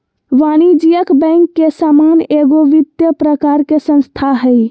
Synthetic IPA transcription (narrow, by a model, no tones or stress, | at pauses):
ʋanid͡ʒijəkbəŋkːesamaneɡoʋit̪jəpɾəkaɾkesə̃nst̪ʰaɦəj